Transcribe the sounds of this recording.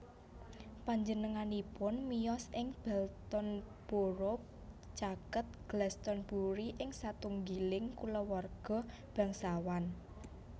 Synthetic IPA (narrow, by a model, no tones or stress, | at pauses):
paɲd͡ʒənəŋanipʊnmijɔsɪŋb̥ɛlt̪ɔnb̥o̤ɾɔ | t͡ʃakət̪̚ɡ̥lɛst̪ɔnb̥uɾiʔɪŋsat̪uŋɡilɪŋkuləwɔrɡ̥ɔ̤ | b̥a̤ŋsawan